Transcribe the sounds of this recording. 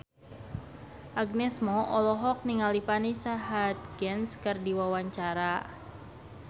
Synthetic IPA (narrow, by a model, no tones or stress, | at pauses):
ʔaɡnɛsmɔʔɔlɔɦɔk̚niŋalipanisaɦat̪̚ɡ̥ɛnskɨrdiwawaɲt͡ʃaɾa